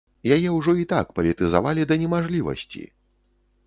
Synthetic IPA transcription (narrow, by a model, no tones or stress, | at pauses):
jajɛwʐɔit̪akpɐlʲit̪ɨza̰valʲid̪ɐnʲɛmaʐlʲivɐ̰sʲt͡sʲḭ